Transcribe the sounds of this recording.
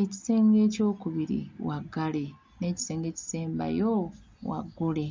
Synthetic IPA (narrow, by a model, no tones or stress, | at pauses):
eci̥se̞ːŋɡe̞ːco̞ːkuβiɾḭwaɡːale̞ | ne̞ːci̥se̞ːŋɡe̞ːci̥se̞ːmba̰jo | wa̰ɡole̞